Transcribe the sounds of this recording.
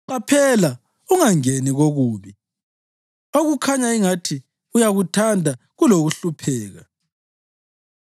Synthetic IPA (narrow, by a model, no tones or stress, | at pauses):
ǃapʰɛla | uŋaŋeniɣoɣuːβi | oɣukʰaɲaiŋatʰi | ujaɣutʰandʱa | ɣuloɣuɬupʰɛːɣa